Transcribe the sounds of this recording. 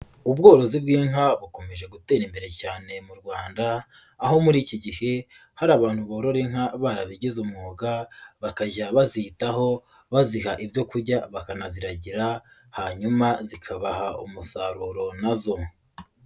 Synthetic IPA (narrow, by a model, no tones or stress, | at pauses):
ub̚ɡo̞ːɾo̞zibɡiːŋaβuko̞me̞ʒe̞ɡute̞ɾimbe̞ɾe̞caːne̞muɾɡwaːndaː | ho̞muɾiːciɟihe̞ | haɾaːβaːn̥huβoːɾo̞ɾeŋ̥haβaɾaβiɟizumŋoːɡaβakaʒaβazitaɦo̞ | βazihaʔibjo̞kuɾɟaβakanaziɾaɟiɾa | haɲumazikʰaβahaumusaɾuɾo̞nazo̞